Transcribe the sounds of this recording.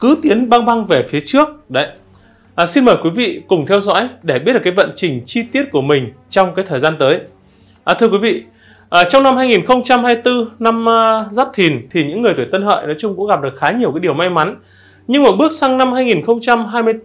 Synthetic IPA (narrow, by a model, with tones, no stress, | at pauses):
kɨ˨˦t̪i˨˦ənɓa˧ŋɓa˧ŋve˨˩fi˨˦ət͡ɕɨ˦˥ək̚ɗə˨˦j | ʔsi˧nməː˨˩jkwi˨˦vḭ˧˨kʊ˨˩ŋ͡mt̪ʰɛ˧wzɔ̰˧˥jɗe˧˩i˦˥t̚ɗkːa˨˦jvə̰˧˨nt͡ɕï˨˩ŋ̟t͡ɕi˧t̪i˦˥ət̚ku˧˩əmï˨˩ŋ̟ | t͡ɕɔ˧wŋ͡mkaː˨˦jt̪ʰəː˨˩jzaː˧nt̪əː˨˦j | ʔt̪ʰɨ˧əkwi˨˦vḭ˧˨ | ʔːt͡ɕɔ˧wŋ͡mna˧mhaː˧jŋi˨˩nxə˧wŋ͡mt͡ɕa˧mhaː˧jt̪ɨ˧na˧mzaː˦˥p̚t̪ʰi˨˩nt̪ʰi˨˩ɲɨ̰˧˥ŋːɨ˨˩əjt̪wt̪ə˧nhə̰ː˧˨jnɔ˨˦jt͡ɕʊ˧ŋ͡mkʊ̰˧˥ŋ͡mɣa˨˩ɗɨ˨˩ək̚xaː˨˦ɲi˨˩əwkaː˨˦ɗi˨˩əwma˧jma˨˦n | ɲɨ˧ŋmɔː˨˩ɓɨ˦˥ək̚sa˧ŋna˧mhaː˧jŋi˨˩nxə˧wŋ͡mt͡ɕa˧mɦaː˧jmɨ˧ə